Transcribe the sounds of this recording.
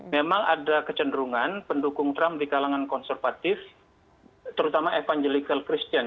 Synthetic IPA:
memaŋʔa̰dakət͡ʃəndəɾuŋanpəndukʊŋt̪ɾamdikalaŋankɔnsərfat̪ɪf | t̪əɾut̪amaʔefaŋd͡ʒelikalkɾist̪ian

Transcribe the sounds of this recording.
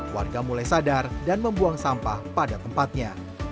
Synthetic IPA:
wa̰rɡamulajsadardanməmbuaŋsampahpadat̪əmpat̪̚ɲa

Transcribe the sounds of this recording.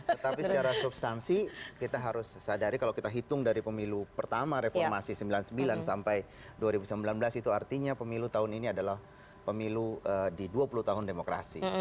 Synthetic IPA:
t̪ət̪apisət͡ʃaɾahsubst̪ansikit̪aɦaɾʊsːadaɾikalawkit̪aɦit̪ʊŋdaɾipəmilupərt̪amaɾefɔrmasisəmbilansəmbilansampaj | duaɾibusəmbilanbəlasit̪uart̪iɲapəmilut̪aɦʊniniadalah | pəmiluədiduapuluht̪aɦʊndemokɾa̰sḭ

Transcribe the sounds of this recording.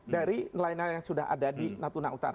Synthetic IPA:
daɾinlainanjaŋsudaɦa̰dadinat̪unaut̪a̰ɾa

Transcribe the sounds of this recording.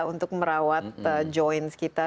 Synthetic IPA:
unt̪ʊk̚məɾawat̪̚əd͡ʒɔjnskit̪a

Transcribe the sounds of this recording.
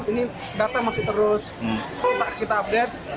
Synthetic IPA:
t̪ini | dat̪amasɪht̪əɾʊs | t̪aʔkit̪aːp̚det̪̚

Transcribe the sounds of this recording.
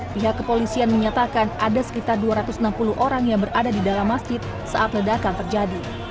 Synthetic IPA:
piɦakːəpolisianməɲat̪akanʔadasə̥kit̪arduaɾat̪ʊsənampuluhʔoɾaŋjaŋbəradadidalamːasd͡ʒɪt̪̚ | sa̰ʔat̪lədakant̪ərd͡ʒadi

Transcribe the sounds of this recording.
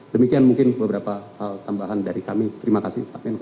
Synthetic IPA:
dəmikianmuŋkɪnbəbəɾapahalt̪ambaɦandaɾikamit̪əɾimakasɪht̪aan

